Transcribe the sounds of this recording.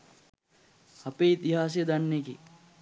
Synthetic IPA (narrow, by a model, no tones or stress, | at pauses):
hɐpeit̪iɦaːs̬ijəd̪ɐnːekḭ